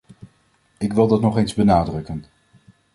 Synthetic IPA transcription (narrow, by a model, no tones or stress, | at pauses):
ɪkʋɪlˠdɑtnɔχejnzbənaːdrɵkən